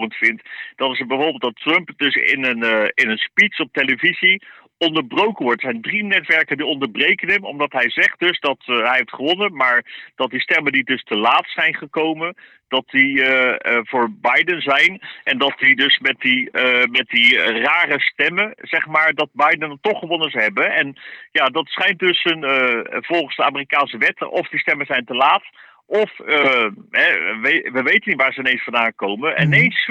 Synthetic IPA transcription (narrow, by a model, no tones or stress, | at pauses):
əntfɪntd̥ɑtɪsbɛvʊːɹbɪlˠtdɑtrɵmpdɵsɪ̰nənɪnənspitsɔp̚teləvizi | ɔndəɹbrowkənʋɔɹtsɛjndrinɛtʋɛɹkəndiɔndəɹbrejkənɦɛmɔ̰mdɑtɦɛjzɛχt̚dɵzdɑtɦɛjɦeftχəʋɔnənmaːɹd̥ɑt̚distɛməndidɵstəlaːtsɛjnχəkowmən | d̥ɑt̚di | vʊːɹbɑjdənzɛjnʔɛndɑt̚didɵsmɛt̚dimɛt̚diraːrəstɛməz̥ɛχmaːɹdɑt̚bɑjdənətːɔχəʋɔnənzɦɛbəɛnjaːdɑtsχɛjnt̚dɵsənv̥ɔlˠχənzdəaːmirikaːnsəʋɛtʔɔfdistɛmənzɛjntəlaːt | ʔɔf | ɦɛʋeʋəʋejtənitʋaːɹzəɪnejnsfɑnaːŋkowmənɛ̰nejns